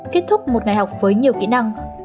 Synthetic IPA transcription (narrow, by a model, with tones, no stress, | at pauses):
ke˦˥t̚t̪ʰʊ˦˥k͡p̚mo˨˩t̚ŋa˨˩jɦa˨˩wk͡p̚vəː˨˦jɲi˨˩əwkḭ˧˥na˧ŋ